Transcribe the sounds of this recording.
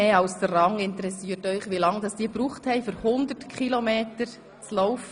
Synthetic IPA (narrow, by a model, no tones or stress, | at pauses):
eːaʊsd̥ərrɑŋɪntəɾɛsiːətœʏχʋilɑŋd̥ɑsd̥iːbɾuːχthɛɪfyɾhʊndətkʰχilomeːtəɾ | t͡slɔʊf